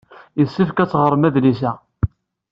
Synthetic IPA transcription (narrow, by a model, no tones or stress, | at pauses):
jəsːifkæt͡sːʁəɾˤəmæðlisæ